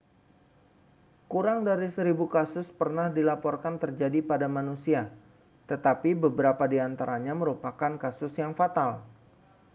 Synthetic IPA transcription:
kuɾaŋdaɾisəɾibukasʊspərnahdilapɔrkant̪ərd͡ʒadipadamanusia | t̪ət̪apibəbəɾapadiant̪aɾaɲaməɾupakankasʊsjaŋfat̪al

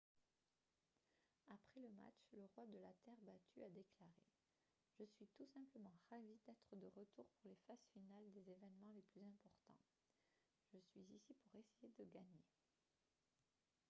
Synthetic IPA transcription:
apχɛləma̰t͡ʃləʁwad̪əlat̪ɛʁbat̪ʰyʔad̪eklaʁe | ʒ̥əsɥit̪usɛ̃pləmɑ̃ʁavid̪ɛt̪χəd̪əʁət̪uʁpuʁlefazfinald̪ezevɛnmɑ̃leplyzɛ̃pɔʁt̪ɑ̰̃ | ʒ̥əsɥizisipuʁesejed̪əɡaɲe

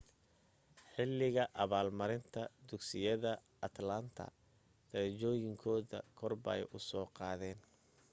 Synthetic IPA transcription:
ħɪlːɪɣɐʔɐβaːlmɐɾɪnt̪ʰɐd̪ʊksɪjɐðɐ | ɐt̪lɐnt̪ʰɐ̰ | d̪̥ɐɾt͡ʃɔːjɪŋkʰɔːðɐ̰kʰɔrbɐ̰jʊsɔːqɑːðɛːn

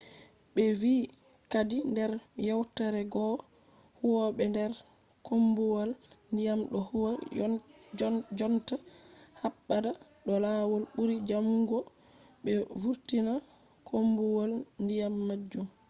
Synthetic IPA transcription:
ɓɛviː | kadindɛɾjawtaɾɛɡɔ | huwɔɓɛndɛɾ | kʰombuwalndijamɗɔhuwa | d͡ʒɔntahabːada | ɗɔlaːwɔlɓuɾid͡ʒamuŋɡɔ | ɓɛvuɾtina | kʰombuwalndijamːad͡ʒːum

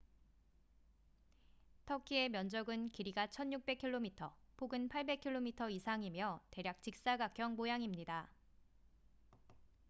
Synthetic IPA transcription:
tʰʌkʰie̞mjʌnd͡ʑʌɡɯnkiɾiɡat͡ɕʰʌnjuk̚p͈e̞kʰiɭːomitʰʌpʰoɡɯnpʰaɭbe̞kʰiɭːomitʰʌisʰaŋimjʌte̞ɾjak̚t͡ɕ͈ik̚s͈aɡak͈ʰjʌŋmojaŋimɲida

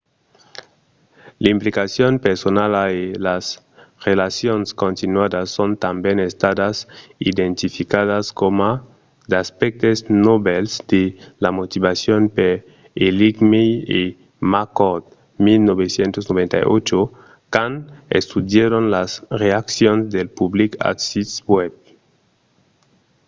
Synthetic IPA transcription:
limplikasjonpeɾsonalaelas | relasjonskõnt̪inwaðasːont̪ambjenest̪aðasid̪ẽnt̪ifikaðaskoma | d̪aspek̚t̪eznoβelsd̪̥elamot̪iβasjonpeɾ | eliɡmee | makot̪ | milnoβesjent̪osnoβẽnt̪a̰jo̰t͡ʃo | kanḛst̪ud̪jeɾonlasreaksjonzd̪elpublika̰tsiswɛb

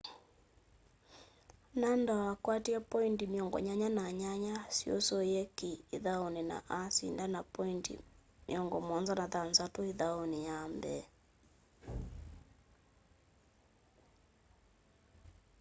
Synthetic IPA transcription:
nandaakwatiapɔintimiɔŋɡɔ̰ɲaɲanaɲaɲasio̰sojɛkiːðaonina̰ʔasḭndanapɔintḭmḭɔŋɡɔmɔnzanaðanzatoiðaonijambɛ̰

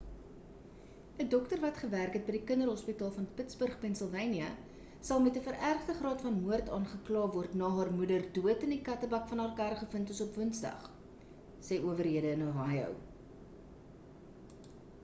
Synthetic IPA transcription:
ədɔktərvɐtχəværkɦɛt̚bədikəndərɦɔspitɑːlˠfɐnpətsbərχpɛnsəlˠvɛjniə | sɐlˠmɛtəfəɾʔærχdəχrɑːtfɐnmuərtɑːnχəklɑːvɔrtnɑːɦɑːrmudərduətəndikɐtəbɐkfɐnɑːrkæɾχəfəntəsɔpvənsdɐ̰χ | sɛjuəvərɦiədəənoɦɑjœ̰w

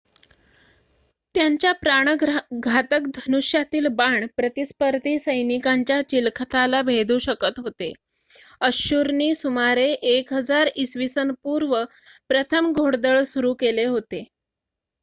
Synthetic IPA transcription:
t̪jaɲt͡ɕjapɾaɳ̃əɡʱat̪əkd̪ʱənuɕjat̪iːlbaɳpɾət̪ispəɾd̪ʱiːsəjnikaɲt͡ɕjat͡ɕilkʰət̪ʰalabʱed̪uːɕəkət̪ɦot̪e | əɕuɾniːsumaɾeʔekɦəd͡zaɾisʋisənpuɾʋə | pɾət̪ʰəmɡʱoɽd̪əɭsuɾuːkeleɦot̪e

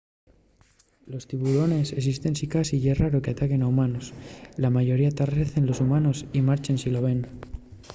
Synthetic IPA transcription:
lo̞st̪iβuɾo̞ne̞seksist̪e̞nsikasiʝeraɾokeat̪ake̞naumanoslamaʝo̞ɾiat̪areθe̞nlo̞sumano̞simaɾt͡ʃensilo̞β̞e̞n

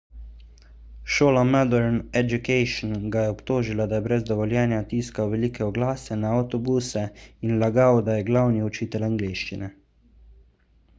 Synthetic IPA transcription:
ʃoːlamad̪ɛɾnɛd͡ʒukɛjʃnɡajɛɔpt̪oːʒilad̪ajɛbɾɛzd̪ɔʋɔljɛːnjat̪iːskawʋɛliːkɛɔɡlaːsɛnaːwt̪ɔbuːsɛinlaɡawd̪ajɛɡlawniɔt͡ʃiːt̪ɛlaŋɡleːʃt͡ʃinɛ

